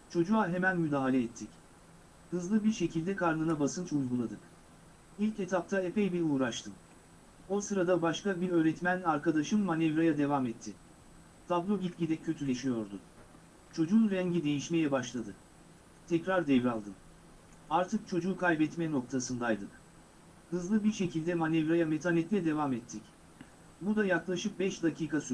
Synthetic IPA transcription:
t͡ʃʰo̞d͡ʒuaɦe̞mænmyd̪aːɦalʲɛːt̪ʰːic | hɯzlˠɯbiɾʃe̞cʰilʲd̪ɛkʰaɾnɯnabasɯnt͡ʃujɡulˠad̪ɯk | ilʲcet̪ʰap̚t̪ʰaepɛjbiɾuːɾaʃt̪ʰɯm | o̞sɯɾad̪abaʃkabiɾø̞ːɾɛt̪mænaɾkʰad̪aʃɯnːanɛvɾajad̪e̞vamɛt̪ʰːɪ | t̪ʰablˠo̞ɟit̪ʲɟid̪ɛcʰø̞t̪ʰylʲeʃijo̞ɾd̪ʊ | t͡ʃʰo̞d͡ʒunɾɛɲɟid̪e̞jiʃme̞jɛbaʃlˠad̪ɯ | t̪ʰɛcɾaɾd̪ɛvɾalˠd̪ɯm | aɾt̪ʰɯk̚t͡ʃʰo̞d͡ʒuːkʰajbɛt̪mɛno̞k̚t̪ʰasɯnd̪ajd̪ɯk | hɯzlˠɯbiɾʃe̞cʰilʲd̪ɛmanɛvɾajamet̪ʰanɛt̪lʲɛd̪e̞vamɛt̪ʰːic | bud̪ajaklˠaʃɯk̚bɛʃd̪acʰiːkas

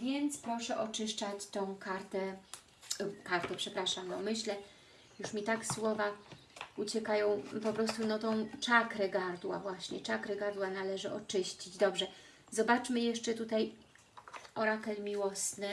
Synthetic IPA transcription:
vʲjɛnt̪spɾɔʂɛʔɔt͡ʂɘʂt͡ʂat͡ɕt̪ɔ̃w̃kaɾt̪ɛ | kaɾt̪ɛpʂɛpɾaʂamɡɔmɘɕlɛ | juʂmʲit̪akswɔva | ut͡ɕɛkajɔ̃w̃pɔpɾɔst̪unɔt̪ɔ̃w̃t͡ʂakɾɛɡaɾd̪wa̰vwaɕɲɛt͡ʂakɾɛɡaɾd̪wanalɛʐɘʔɔt͡ʂɘɕt͡ɕid͡ʑd̪ɔbʐɛ | zɔbat͡ʂmɘjɛʂt͡ʂɛt̪ut̪aj | ɔɾakɛlmʲiwɔsnɘ

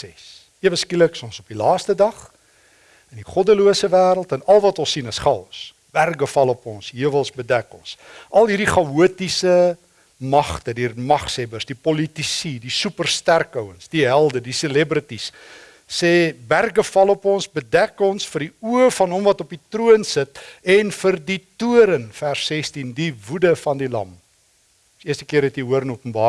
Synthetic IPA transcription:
sɛs | əvəskiləksɔ̃nsɔpilɑːstədɐχ | əndiχɔdəluəsəvæːɾəlˠtənɐlˠvɐtɔ̃lsinəsχɐls | b̥ærɡəfɐlopɔ̃nsɦiəvəlˠsbədɛkɔ̰nsʔɐlˠɦirdiχɐuətisə | mɐχtədiːrmɐχsɛbərsdipɔlitisidisʉpərstærkœwənsdiɦælˠdədiselɛbɾətisː | ɛːbærɡəfɐlopɔnsbədækɔnsfərdiuəfɐnɦɔmvɐtɔpitruənsətɛnfərdituəɾənfærsːɛstindivudəfɐndilɐ̰m | iəstəkiəɾɛtiuəɾənuəpənbɑː

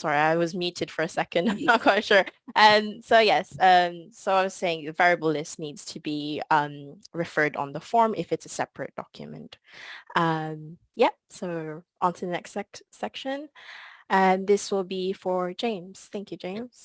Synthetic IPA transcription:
sɑɹiaɪwʌzmjʉɾɨd̥fə˞ɨsɛkɨ̃ndãɪ̃mnət̚kʰw̥aɪɾʃʊɹʔʌ̃msoʊjɛsʌ̃msoʊaɪwʌz̥seɪɪ̃ŋðɨvɛɹiɨbl̩ˠlɪsnidz̥tʰɨbiʌ̃mɹɨfɜ˞ɾn̩ðəfɔɹmʔɪfɨtsɨsɛpɹɨ̰t̚d̥ɑ̰kʰjɨ̰mɨ̰̃ntʔʌ̃m | jɛ | soʊʔə̃ntʰʉənɛ̰ksɛksɛkʃɨ̃n | ɨ̃nðɪswɪlˠbifə˞d͡ʒẽɪ̃mz̥θæ̃ŋkjʉd͡ʒẽɪ̃mz̥

